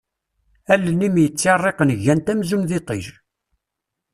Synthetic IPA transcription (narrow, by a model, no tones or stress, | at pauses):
ælːənimjət͡sːɑrˤːeqənəʝːænt̪æmzunðit̪ˤḭʒ